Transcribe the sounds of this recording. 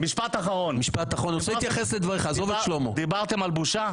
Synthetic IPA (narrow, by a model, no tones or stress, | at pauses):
miʃpat̪aχaʁo̞nmiʃpat̪aχʁonoseit̪jaχesled̪vaʁeχaːzo̞veʃlomod̪ibaʁt̪emalbuʃa